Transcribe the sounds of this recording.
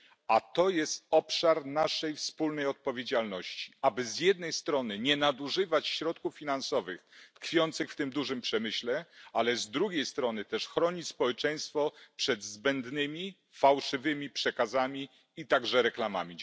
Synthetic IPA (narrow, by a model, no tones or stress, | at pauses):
at̪ɔjɛst̪̚ɔpʂaɾnaʂɛjfspulnɛjɔt̪̚pɔvʲjed͡ʑalnɔɕt͡ɕi̥abɘzjɛd̪nɛjst̪ɾɔnɘɲɛnad̪uʐɘvat͡ɕɕɾɔt̪kufːʲinansɔvɘxt̪kfʲjɔnt̪sɘxft̪ɘmd̪uʐɘmpʂɛmɘɕlɛalɛzd̪ɾuɡʲejst̪ɾɔnɘt̪ɛʂxɾɔɲispɔwɛt͡ʂɛj̃st̪fɔpʂɛd̪zbɛnd̪nɘmʲi | fawʂɘvɘmʲipʂɛkazamʲi | it̪aɡʐɛɾɛklama̰mʲi